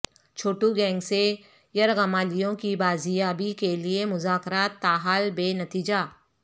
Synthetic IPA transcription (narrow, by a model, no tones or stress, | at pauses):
t͡ʃʰoːʈuɡɛ̃ːŋɡse | jɐɾɣɐmaːlijõkibaːzijaːbikeliemʊzaːkɾaːt̪ːaːɦaːlbeːnɐt̪iːd͡ʒaː